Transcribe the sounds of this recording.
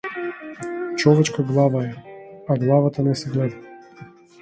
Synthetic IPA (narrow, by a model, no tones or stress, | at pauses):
t͡ʃɔvɛt͡ʃkaɡlˠavaɛaɡlˠavat̪anɛsɛɡlɛd̪a